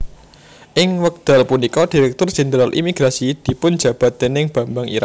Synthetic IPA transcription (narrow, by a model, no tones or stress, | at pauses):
ʔɪŋwək̚d̪̥alpunikɔd̥i̤ɾɛk̚t̪ʊr̥ʒ̥ɛnd̪ɾalʔḭmiɡ̥ɾasid̪̥i̤pʊnd͡ʒä̤b̥a̤t̪̚d̪enɪŋb̥a̤mbaŋḭɾa̰k